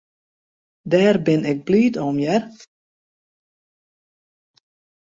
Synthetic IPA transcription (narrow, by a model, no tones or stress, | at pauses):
dɛːrbɪnɪk̚blyːtɔmjɛr